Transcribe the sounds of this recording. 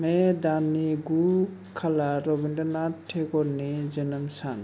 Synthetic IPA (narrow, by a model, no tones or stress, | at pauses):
mɛd̪aneɡu | kʰalaɾɔbindɔnaʈʰːekɔɾned͡ʒənəmsa̰n